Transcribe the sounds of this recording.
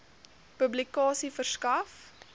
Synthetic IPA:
pəblikɑːsifərskɐf

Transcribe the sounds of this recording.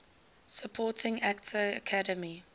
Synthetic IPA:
səpʰɔːtɪ̃ŋaktʰəːkʰadəmi

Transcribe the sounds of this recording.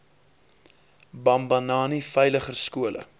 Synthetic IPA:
bɐmbɐnɑːnifɛjləχərskuəlʔə̰

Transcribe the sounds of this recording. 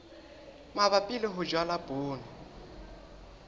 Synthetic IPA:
maβapʼɪlɪɦʊd͡ʒwalaboːnɪ

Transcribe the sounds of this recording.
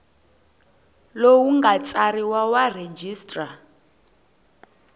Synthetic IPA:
lowuŋɡat͡sʼaɾiwawared͡ʒiːstʼra

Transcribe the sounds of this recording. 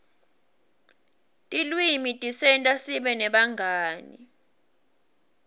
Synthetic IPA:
tʼilwimitʼisɛntʼasiɓɛnɛɓaŋɡʱaːnḭ

